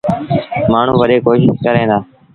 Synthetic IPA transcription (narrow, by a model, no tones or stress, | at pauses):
maːɳ̤ũːʋəɗeːkoːʃɪʃkəɾẽːd̪aː